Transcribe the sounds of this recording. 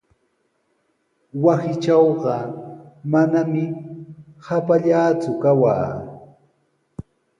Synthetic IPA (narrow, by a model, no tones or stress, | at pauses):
wasɪt͡ʃɑwɢɑ | manamɪ | hapaʎaːt͡sʊkawa̰ː